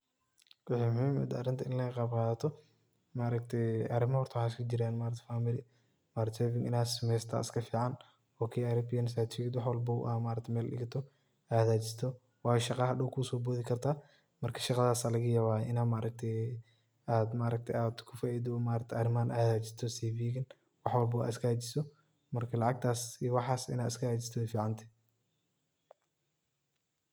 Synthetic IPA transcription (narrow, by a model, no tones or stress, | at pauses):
wɑħimʊhiːmɛ̰d̪ɐ̰ɾɪnt̪ʰɐɪnlɐqɑːbqɑːðɐt̪ʰɔ | maːɾɐkt̪ʰɛjʔɐɾɪmɐhɔrt̪ʰwħaskʰʊd͡ʒɪɾaːnmaːɾɐkt̪ɛ̥faːmɪlɪ | maːɾt̪sɛvɪŋɪnaːsɪmɛst̪ʰɐ̰ɪ̰skʰɐfiːʕɑn | ɔːkʰɛjɐɾɐbɪjɐnsaːt̪fiɡt̪wɑħwɐlbɐṵʔamaːɾɐk̚t̪ʰɛmɛːlɗɪ̰ɡɐt̪ʰɔ | ʔaːðaːt͡ʃɪst̪ʰɔ | wɑːjʃɑqɑɐɗɔwkʰʊsɔːbɔːðɪkʰɐrt̪ʰaː | mɐrkʰɐ̥ʃɑqɑɐðaːsaːlɐɣɐjɐβaːʔɪnaːmaːɾɐk̚t̪ʰɛ | aːd̪maːɾɐk̚t̪ʰɛjaːd̪kʰʊfaːiːd̪ɔmaːɾɐk̚t̪ʰɛɐɾɪmaːnʔaːðaːt͡ʃɪ̥st̪ʰɔsiːbiːɡɪn | wɑħwɐlbɐwa̰ːɪskʰɐhɐt͡ʃɪ̥sɔ | mɐrkʰɐlɑʕɑɡ̚t̪ʰaːsiwɑħɑːsɪ̰naːd̪ɪskʰɐhɐt͡ʃɪst̪ʰɔɛfiːʕɑnt̪ʰɛ̥